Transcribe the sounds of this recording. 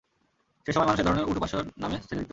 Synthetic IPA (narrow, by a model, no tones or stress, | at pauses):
ʃeʃɔmaemanuʃeɾd̪ʱɔɾoneɾuʈupaʃoɾnamesiɾikt̪